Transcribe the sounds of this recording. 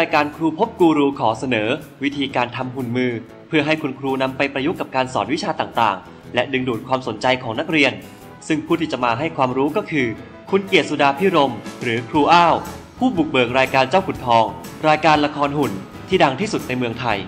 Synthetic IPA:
ɾaː˧jkaː˧nkʰɾuː˧pʰo˦˥p̚kuː˧ɾuː˧kʰɔː˩˦sa˧nɤː˩˦ | wi˦˥t̪ʰiː˧kaː˧nt̪ʰa˧mhu˨˩nmɯː˧ | pʰɯ˥˩ɐɦa˥˩jkʰu˧nkʰɾuː˧na˧mpa˧jpɾa˧ju˦˥kːa˨˩p̚kaː˧nsɔ̰ː˩t̪̚wi˦˥t͡ɕʰaː˧t̪aː˨˩ŋt̪a̰ː˨˩ŋ | lɛ˦˥dɯ˧ŋduː˨˩t̪̚kʰwaː˧mso˩˦nt͡ɕa˧jkʰɔː˩˦ŋna˦˥k̚ɾi˧ən | sɯ˥˩ŋpʰuː˥˩t̪iː˥t͡ɕa˨˩ʔmaː˧ɦa˥˩jkʰwaː˧mɾuː˦˥kɔː˥˩kʰɯː˧ | kʰu˧nki˨˩ət̪̚su˨˩daː˧pʰiː˦˥˩ɾo˧mɾɯː˩˦kʰɾuː˧ʔaː˥˩w | pʰuː˥˩bu˨˩k̚bɤː˨˩k̚ɾaː˧jkaː˧nt͡ɕaː˥˩wkʰu˨˩t̪̚pʰɔː˧ŋ | ɾaː˧jkaː˧nla˧kʰɔː˧nɦu˨˩n | t̪ʰiː˥˩da˧ŋt̪ʰiː˥˩su˨˩t̪̚na˧jmɯ˧əŋt̪ʰa˧j

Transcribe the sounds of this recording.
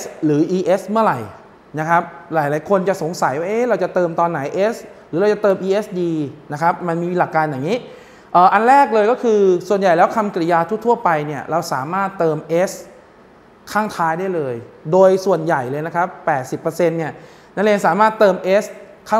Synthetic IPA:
ɾɯː˩˦ʔiː˧ʔe˦˥smɯ˥˩ɐɾa˨˩j | na˦˥kʰɾa˦˥p̚ɾaː˩˦jlaː˩˦jkʰo˧nt͡ɕa˨˩so˩˦ŋsa˨˩˦jwaː˥˩ʔeː˦˥˩ɾa˧wt͡ɕa˨˩t̪ɤː˧mt̪ɔː˧nːa˩˦jʔeː˦˥sɾɯː˨˦ɾa˧wt͡ɕa˨˩t̪ɤː˧mʔiː˧ʔe˦˥sdiː˧na˦˥kʰa˦˥p̚ma˧nmiː˧la˨˩kːaː˧nja˨˩ŋiː˦˥ | ʔəː˨˩ʔa˧nɾɛː˥˩k̚lɤː˧jkɔː˥˩kʰɯː˧su˨˩ənja˨˩jlɛː˦˥wkʰa˧mkɾi˧˩jaː˧t̪ʰu˥˩t̪ʰu˥˩ɐpa˧jni˥˩ɐɾa˧wsaː˨˩˦maː˥˩t̪ːɤː˧mʔeː˦˥s | kʰaː˥˩ŋt̪ʰaː˦˥jdaː˥˩jlɤː˧jdoː˧jsu˨˩ənja˨˩jlɤː˧jna˦˥kʰa˦˥pːɛː˨˩t̪̚si˨˩pːə˧se˧nːi˥˩ə | na˦˥leː˧nsaː˩˦maː˥˩t̪ːɤː˧mʔeː˦˥s | kʰaː˥˩

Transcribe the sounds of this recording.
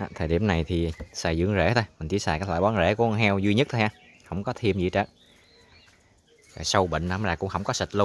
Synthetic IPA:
aː˨˩t̪ʰəː˨˩ɗḭ˨˧˩əmna˨˩jt̪ʰi˨˩saː˧˩jzɨ̰˧˥əŋzḛ˧˥t̪ʰo˧jmï˨˩ŋt͡ɕi˨˦saː˨˩kaː˦˥t̪waː˧˨˩ɓɔ˨˦nzḛ˧˥ku˧˩ə˧˦ɦɛ˧wzwi˧ɲə˦˥t̚t̪ʰo˧jhaː˧˩ | hə˧˩wŋ͡mkɔ˨˦t̪ʰi˧əmzḭ˧˨˩t͡ɕəː˦˥ | vaː˨˩sə˧wɓə̰˧˨ŋ̟la˨˦mzaː˨˩kʊ̰˧˥ŋ͡mhə˧wŋ͡mkɔ˨˦sə˨˩t̚lu˧

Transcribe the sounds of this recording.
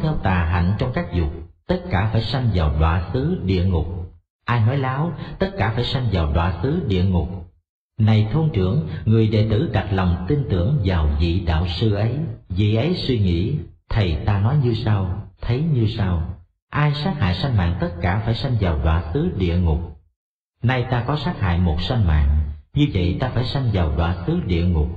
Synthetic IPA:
t̪ʰɛ˧wt̪aː˨˩ɦa̰˧˨ŋ̟t͡ɕɔ˧wŋ͡mkaː˦˥k̚zʊ˨˩k͡p̚t̪ə˦˥t̚kaː˧˩faː˧˩jsa˧jŋ̟vaː˨˩wɗwa̰ː˧˨sɨ˨˦ɗḭ˧˨əŋʊ˨˩k͡p̚ | ʔaː˧jnɔ˨˦jlaː˨˦wt̪ə˦˥t̚kaː˧˩faː˧˩jsa˧jŋ̟vaː˨˩wɗwaː˧˩sɨ˨˦ɗḭ˧˨əŋʊ˨˩k͡p̚ | na˨˩jt̪ʰo˧ŋt͡ɕɨ˧˩əŋŋɨ˨˩əjɗe˧˩t̪ɨ̰˧˥ɗa˨˩t̚la˨˩wŋ͡mt̪i˧nt̪ɨ̰˧˩əŋvaː˨˩wvḭ˧˨ɗa̰ː˧˨wsɨ˧ʔə˨˦jvḭ˧˨ʔə˨˦jswi˧ŋḭ˧˥t̪ʰə˨˩jt̪aː˧nɔ˨˦jɲɨ˧saː˧wt̪ʰə˨˦jɲɨ˧saː˧w | ʔaː˧jsaː˦˥k̚ha̰ː˧˨jsa˧jŋma̰ː˧˨ŋt̪ə˦˥t̚kaː˧˩faː˧˩jsa˧jŋ̟vaː˨˩wɗwa̰ː˧˨sɨ˨˦ɗḭ˧˨əŋʊ˨˩k͡p̚ | na˧jt̪aː˧kɔ˨˦saː˦˥k̚ha̰ː˧˨jmo˨˩t̚sa˧jŋ̟ma̰ː˧˨ŋɲɨ˧və̰˧˨jt̪aː˧faː˧˩jsa˧jŋ̟vaː˨˩wɗwa̰ː˧˨sɨ˨˦ɗḭ˧˨əŋʊ˨˩k͡p̚

